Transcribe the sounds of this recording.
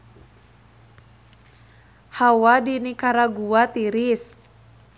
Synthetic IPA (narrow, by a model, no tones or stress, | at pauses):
hawadinikaɾaɡuat̪iɾis